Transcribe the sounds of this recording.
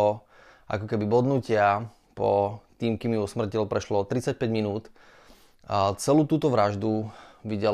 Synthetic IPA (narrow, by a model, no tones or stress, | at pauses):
ɔ | ʔa̰kɔkɛbibɔd̪nucɪa | pɔt̪iːmkiːmjusmr̩cilpɾɛʃlɔɔt̪ɾit͡sac̚pɛɟminuːt̪ | t͡sɛluːt̪uːt̪ɔʋɾaʒd̪uʋiɟɛ